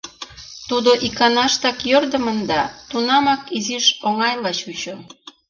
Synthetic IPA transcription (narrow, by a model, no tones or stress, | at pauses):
t̪ud̪oʔikɑnɑʃt̪ɑkjørd̪ə̆mənd̪ɑt̪unɑmɑkiziʃoŋɑjlɑt͡ɕut͡ɕo